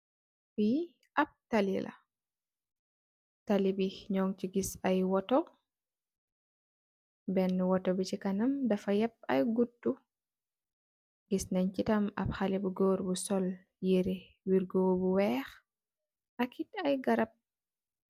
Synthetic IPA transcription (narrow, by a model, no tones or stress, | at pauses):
wi | ʔap̚talilʔa̰ | talibiɲɔŋt͡ʃiɡisajwɔtɔ | bɛnːuwɔtɔbit͡ʃikanamdafajɛp̚a̰jɡutːu | ɡisnaɲt͡ʃitama̰b̚xalibuɡɔːɾbusɔl | jiɾi | wiɾɡoːbuwɛːx | ʔakitajɡaɾap̚